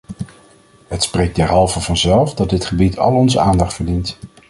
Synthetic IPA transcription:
ɦətsprejɡ̚dɛɹɦɑlˠvəvɑnzɛlˠfdɑd̚dɪtχəbitʰɑ̰lˠɔnzəaːndɑχtfəɹdint

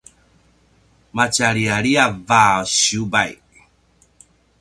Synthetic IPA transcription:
mat͡ʃaɾiaɾiavaɔɕiubaj

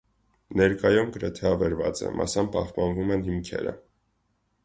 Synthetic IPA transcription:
nɛɾkɑjumɡəɾɛt̪ʰɛɑvɛɾvɑt͡sɛ̰mʔɑ̰sɑmpɑhpɑnvumɛnhimkʰɛ̰ɾə̰

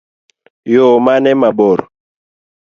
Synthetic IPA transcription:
jomanɛmaɓɔɾɔ̰

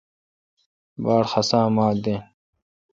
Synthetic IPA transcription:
baːɽxɐsãːmaːd̪ẽː

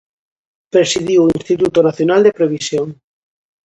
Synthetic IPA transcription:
pɾesið̞iwinst̪it̪ut̪onaθjonald̪epɾeβ̞isjoŋ

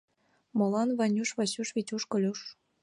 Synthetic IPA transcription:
mɤ̆lɑnβɑnʲuʃβɑɕuʃβit͡ɕʲuʃkɤ̆lʲuʃ

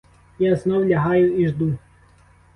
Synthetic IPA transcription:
jaznɔwlʲɐɦɑjʊiʒd̪u

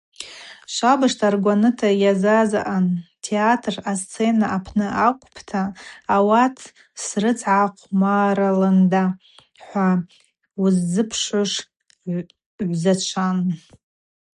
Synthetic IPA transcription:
ʃʷabɨʂtʰarɡʷanɨtʰajazaza̰ʔantʰeatʰrast͡sʰe̞naapʰnɨʔakʷʼpʰtʰaːwatʰ | srɨt͡sʰʕaqʷʰʼmaːɾalanda | ħʷa | uzd͡zɨpʰʂaʂ | ʕʷzat͡ʃʷʰan

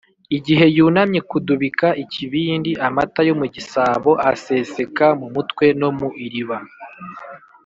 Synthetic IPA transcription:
iɟiɦe̞juːnamɲe̞kuduβikaʔiciβiːndiʔamatajo̞muɟisaːβo̞ʔase̞se̞kamumutkwe̞no̞muʔiɾiβa

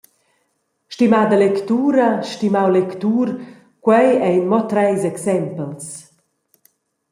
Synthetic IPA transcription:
ʃtimaːd̪əlɛkt̪uːɾaʃtimawlɛkt̪uːɾ | kwɛjɛjnmɔt̪ɾɛjzɛksɛmpəls

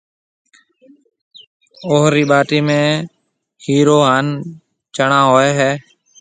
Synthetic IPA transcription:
oːɦɾiːɓaːʈiːmẽː | hiːɾoːɦaːn | t͡ʃəɳãːɦoːeːɦɛː

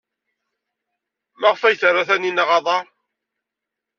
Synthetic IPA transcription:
mæʁfæjθərˤːaθæninaʁɑðˤɑɾˤ

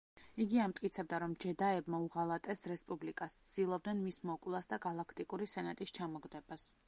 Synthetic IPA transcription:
iɡiamt̪ʼkʼit̪sʰɛb̚d̪aɾɔmd͡ʒɛd̪aɛbmauʁalˠat̪ʼɛsɾɛspʼublikʼassʰd̪̥ilˠɔb̚d̪ɛnmismɔkʼlˠasd̪aɡalˠakʰt̪ʼikʼuɾisɛnat̪ʼist͡ʃʰamɔɡd̪ɛbas

